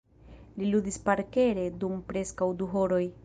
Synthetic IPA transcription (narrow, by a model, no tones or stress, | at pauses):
liludispaɾke̞ɾe̞dumpɾe̞skawduɦoɾo̞j